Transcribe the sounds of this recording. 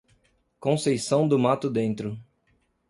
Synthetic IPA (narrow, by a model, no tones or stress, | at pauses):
kõsejsɐ̃w̃d̪ʊmat̪ʊd̪ẽnt̪ɾʊ